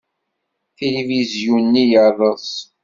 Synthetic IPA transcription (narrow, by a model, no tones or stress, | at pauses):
θelivizjunːijəɾˤəs